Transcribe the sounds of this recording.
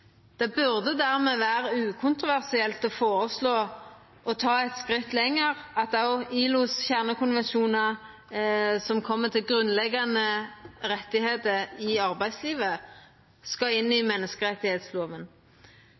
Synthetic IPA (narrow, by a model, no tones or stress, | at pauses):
d̪̥ɛbʉʁd̪əd̪æʁmeːʋæːɾəʉːkʰʊnt̪ɾʊʋæʁsɪɛlt̪ɔfoːɾəsloː | ʔɔt̪ʰɑːɛt̪skʁɪt̪ːlɛŋːəʁɑt̪ɑʊiːlʊsçæʁnəkʰʊnʋɛnʃuːnə | sɔmkʰɔmːət̪ʰɪlɡɾʉnlɛɡɑnəʁɛt̪ːɪheːt̪əɾɪɑʁbæɪsliːʋə | skɑɪnːɪmɛnːəskəʁɛt̪ːɪheːt̪sloːʋən